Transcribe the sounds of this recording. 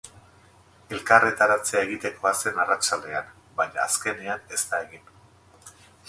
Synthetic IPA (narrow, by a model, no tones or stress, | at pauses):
e̞lkaret̪aɾat͡seae̞ɣit̪e̞ko̞ase̞narat͡ʃald̪e̞an | baɲa̰ːske̞neane̞st̪ae̞ɣin